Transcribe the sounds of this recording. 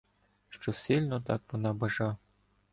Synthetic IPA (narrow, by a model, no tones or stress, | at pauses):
ʃt͡ʃɔsʲilʲnɔt̪ɑ̰kʋɔnɑbɐʒɑ